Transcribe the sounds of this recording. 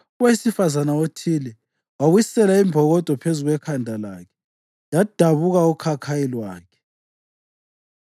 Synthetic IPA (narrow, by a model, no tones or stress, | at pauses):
uwesifazanaotʰilɛ | waɣwisɛlaimbʱɔɣɔd̥ʱɔpʰezuɣwɛkʰandʱalaːkʰɛ̥ | jad̥ʱaβuɣaukʰakʰajilwaːkʰɛ̥